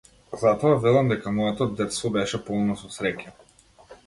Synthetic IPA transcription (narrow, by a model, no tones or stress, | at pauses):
zat̪ɔavɛlˠamd̪ɛkamɔɛt̪ɔd̪ɛt̪st̪vɔbɛʃɛpɔlˠnɔsɔsɾɛca